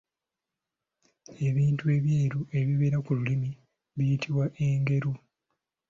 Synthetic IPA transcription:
e̞βiːntue̞βjeːɾuʔe̞βiβe̞ːɾakululimi | βijitʰiwaʔe̞ːŋɡe̞ɾu

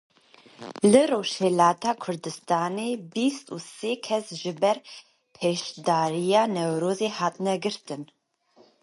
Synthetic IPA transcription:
lɨroːʃhelaːt̪ʰaːkʰʊrd̪ɨst̪ʰaːnebist̪ʰʼṵseːkʰɛsʒɨbɛr | pʰeːʃd̪aːɾijaːnɛwɾoːzehaːt̪ʰnɛɡɨrt̪ʰɨn

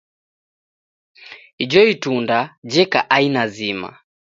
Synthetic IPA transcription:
id͡ʒɔitundad͡ʒɛkaʔainazima̰

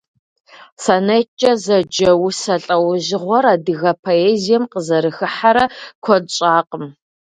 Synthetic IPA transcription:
sɐnɐt͡ʃʼɐzɐd͡ʒɐwsɐɬʼɐwʒɪʁʷɔɾaːdɨɣɐpʰoeːzijɛmqəzɐɾɨxɨħaɾɐkʷʰɔdɕʼaːqʼəm

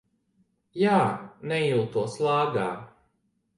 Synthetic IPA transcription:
jaːnɛilˠt̪uɔslˠaːɡaː

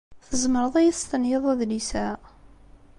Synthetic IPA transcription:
θəzməɾəðˤæjθst̪ənjeðˤæðlisæ

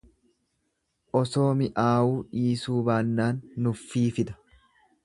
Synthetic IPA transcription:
ʔɔso̞ːmɪʔaːwuːᶑiːsuːbaːnːaːnːʊfːiːfɪd̪ɐ̥

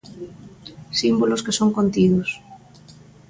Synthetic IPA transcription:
simboloskesoŋkont̪iðos

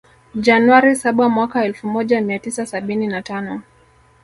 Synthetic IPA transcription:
d͡ʒanwaɾisaɓamwakaɛlfumɔʄamiatisasaɓininatanɔ

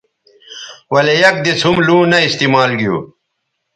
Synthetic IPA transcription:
wɐlejɐk̚d̪it͡shumlũːnɐist̪imaːlɡijṵː

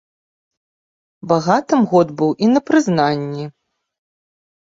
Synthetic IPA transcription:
baɣat̪ɨmɣɔd̪bɨwʔinɐpɾɨznanʲːi

